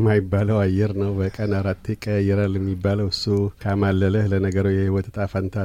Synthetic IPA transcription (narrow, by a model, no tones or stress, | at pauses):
majɪbːaləwajɛɾnəwbəkʼənaɾat̪ʰːekʼəjːɛɾalːjɛmːibːaləwɨsːukʰamalːələhlənəɡəɾojɛhiwɔt̪ʰt̪ʼafant̪ʰa